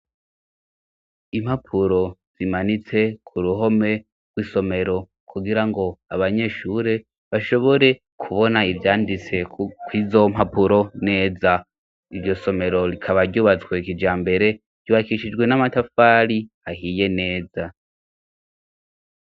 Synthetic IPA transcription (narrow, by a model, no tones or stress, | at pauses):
imhapʰuɾo̞z̥imanit͡se̞kʰuɾuɦo̞me̞ | ɡwiso̞me̞ɾo̞ | kʰuɡiɾaŋɡo̞aβaɲe̞ʃuɾe̞ | βaʃo̞βo̞ɾe̞ | kʰuβo̞naivjaːndit͡se̞kwizo̞m̥hapuɾo̞ne̞ːza | iɾɟo̞so̞me̞ɾo̞ɾikʰaβaɾɟuːβat͡swe̞kid͡ʒaːmbe̞ɾe̞̥ | ɟ̥uβakiʃid͡ʒɡwe̞namatafaːɾi | ahiːje̞ne̞ːza